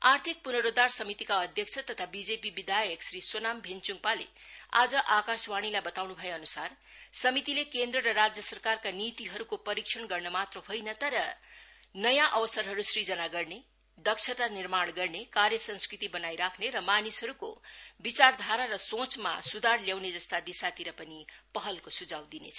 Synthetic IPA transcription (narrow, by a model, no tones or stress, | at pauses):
art̪ʰik̚punʌɾod̪arsʌmit̪ikaʌd̪ʱjʌk̚t͡sʰʌt̪ʌt̪ʰabid͡zepibid̪ajʌksrisonambʱent͡suŋpalḛ | a̰d͡zʌʔakaswaɽ̃ilajbʌt̪awnubʱʌjeʌnusar | sʌmit̪ilekend̪ɾʌɾʌrad͡zjʌsʌrkarkanit̪iɦʌɾukopʌɾiksʰʌɳɡʌrnʌmat̪rʌɦojnʌt̪ʌɾʌ | nʌjãʔʌwʌsʌrɦʌɾusrid͡zʌnaɡʌrne | d̪ʌkt͡ʃʰʌt̪anirmaɽɡʌrnekaɾjʌsʌ̃nskrit̪ibʌnajɾakʰneɾʌmanisɦʌɾuko̰bit͡sard̪ʱaɾaɾʌsõt͡sma̰sud̪ʱarljawned͡zʌst̪ad̪isat̪iɾʌpʌnipʌɦʌlkosud͡zawd̪inḛt͡sʰʌ